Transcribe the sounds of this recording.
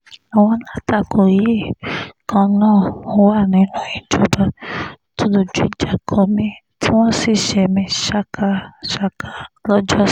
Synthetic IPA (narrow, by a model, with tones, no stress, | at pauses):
a˨w̃ɔ̃˧la˦ta˦˨kʰo˨ji˨˦e˦˨kʰã˧nãː˦˨ɔ˧˦wa˦˨nĩ˨˦nũ˦i˨d͡ʒo˨˦ba˨ | to˦do˧˨d͡ʒu˦i˦˨d͡ʒa˨kʰɔ˨mĩ˦ | ti˦w̃ɔ̃˦si˦˨ʃɛ˧mĩ˧˦ʃa˦ka˦ʃa˦ka˨lɔ˦d͡ʒɔ˦